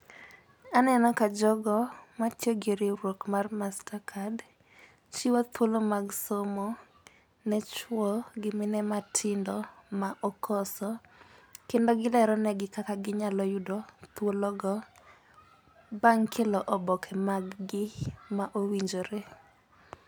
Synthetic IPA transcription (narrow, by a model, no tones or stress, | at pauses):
anɛnɔkad͡ʒɔɡɔmatjoɡeɾɪɾwokmarmastakʰad | t͡ʃiwot̪wolomaɡsomɔ | nɛt͡ʃwɔɡɪmɪnɛmatʰɪndɔmaʔɔkʰɔsɔ | kendɔɡɪlɛɾɔnɛɡɪkakaɡɪɲalɔjʊdɔt̪wolɔɡɔ | baŋkʰɛlɔʔɔbɔkʰɛmaɡɡɪmaʔowiɲd͡ʒoɾe